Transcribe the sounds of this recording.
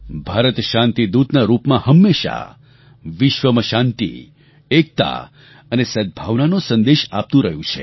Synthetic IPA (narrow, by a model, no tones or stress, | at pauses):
bʱaɾət̪ʃãnt̪id̪ud̪naɾupmãhəmːeʃa̰ | ʋɪʃʋəməʃãnt̪ḭ | ek̚t̪a̰ | ənesəd̪̚bʱaʋnanosə̃nd̪eʃap̚t̪ũɾəɦjũt͡ʃʰḛ